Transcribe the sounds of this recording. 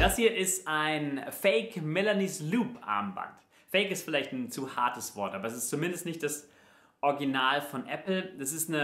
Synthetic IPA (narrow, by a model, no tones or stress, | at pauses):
d̥ashiːɐʔɪstʔaɪnfɛɪkmɛlanisluːpʔa̰ɐmba̰nt | fɛɪkɪstfɪlaɪçtn̩t͡suːhaɐtəsv̥ɔɐtʔaːbɐɛs̬ɪ̥stt͡sumɪndəstnɪçtd̥as | ʔɔɐɡinaːlfɔnʔɛpl̩d̥asɪstnə